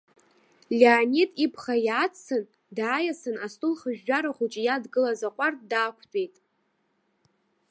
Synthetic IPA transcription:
lʲeːnitʼipʰχajat͡st͡sʰɨn | dʕːjasɨnastʼulχəʒᶣːaɾaχʷut͡ʃʼijadɡɨlazaqʷʼarʼdaːkʷʰt͡pʼejtʼ

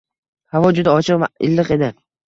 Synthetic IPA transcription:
havɒd͡ʒʊd̪aɒt͡ʃʰɨqvaɪ̰lːɨqe̞d̪ɪ

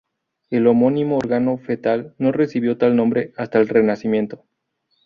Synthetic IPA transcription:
e̞lomo̞nĩmo̞oɾɣano̞fe̞t̪alno̞re̞siβ̞jo̞t̪alnõ̞mbɾeast̪aelre̞nasimje̞nt̪o̞

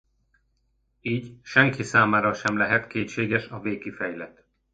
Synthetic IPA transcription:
iːɟʃɛŋkisaːmaːɾɒʃɛmlɛɦɛt̪keːt̪ʃeːɡɛʃɒveːkifɛjlɛt̪

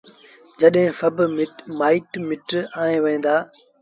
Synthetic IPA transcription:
d͡ʒəɗɦɪ̃ːfɐbmaːɪʈmɪʈaːẽːʋẽːnd̪aː

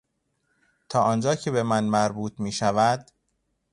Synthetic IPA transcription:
t̪ʰɒːʔɒːnd͡ʒɒːcʰe̞be̞mænmæɾbuːt̪ʰmiːʃævæd̪̥

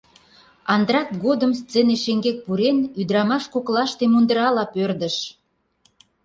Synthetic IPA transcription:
ɑnd̪ɾɑkɡod̪əmst͡seneʃeŋɡek̚puɾenyd̪əɾɑmɑʃkoklɑʃt̪emund̪əɾɑlɑpørd̪ə̆ʃ

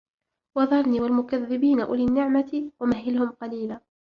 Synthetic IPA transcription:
wɑðˤɑɾˤniːwalmʊkaðːɪbiːnaʔʊliːnːɪʕmat̪ɪwamaɦɪlhʊmqɑliːlaː

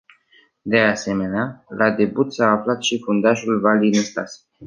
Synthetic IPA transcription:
d̪e̞ase̞me̞nealʔad̪e̞but̪saːflat̪ʃifund̪aʒulvalinəst̪a̰s

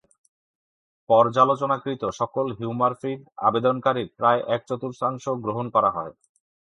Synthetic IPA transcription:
pɔɾd͡ʑalot͡ɕonakɾit̪oʃɔkolɦuumaɾfiɖa̰bed̪onkaɾipɾaeʔɛk̚t͡ɕɔt̪uɾʃaŋʃoɡɾoɦonkɔɾaɦɔe

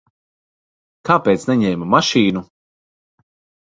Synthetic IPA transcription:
kaːpeːt̪snɛɲɛjmamaʃiːnu

